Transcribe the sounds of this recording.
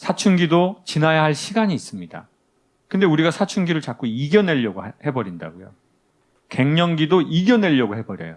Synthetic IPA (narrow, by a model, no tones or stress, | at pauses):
sʰat͡ɕʰunɡidot͡ɕinajaɦaɭɕʰiɡaɲiːs͈ɯmɲida̰ | kɯnde̞uɾiɡasʰat͡ɕʰunɡiɾɯɭt͡ɕak͈oiɡjʌne̞ʎːʌɡohe̞bʌɾinda̰ɡojo̰ | ke̞ŋɲʌŋɡidoiɡjʌne̞ʎːʌɡohe̞bʌɾjʌ̰jo